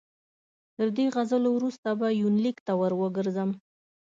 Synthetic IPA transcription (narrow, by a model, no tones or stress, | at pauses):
t̪əɾd̪eɣazəlowɾust̪abajunlikt̪awəɾwəɡəɾzəm